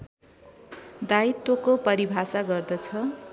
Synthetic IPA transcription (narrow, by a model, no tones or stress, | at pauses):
d̪ait̪wokopʌɾibʱasaɡʌrd̪ʌt͡sʰʌ